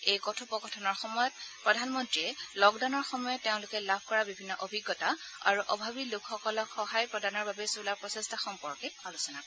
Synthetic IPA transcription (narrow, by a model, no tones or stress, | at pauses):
ejkɔtʰupɔkɔtʰɔnɔɹxɔmɔjɔt̚pɹɔdʱanmɔntɹiɛlɔɡdaʊnɔɹxɔmɔjɔtːeʊ̃lʊkɛlabʱkɔɹabibʱinːɔʔobʱiɡːɔta | a̰ɹuʔɔbʱabilʊkʰxɔkɔlɔkxɔɦajpɹɔdanɔɹbabɛsulaɹpɹɔsɛstaxɔmpɔɹkɛalusɔna